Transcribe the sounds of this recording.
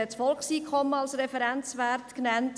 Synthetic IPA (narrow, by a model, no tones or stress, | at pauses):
ɛtsfɔlkχsiːkʰχɔmːəɑlsɾɛfɛɾænt͡sʋæɾtknænt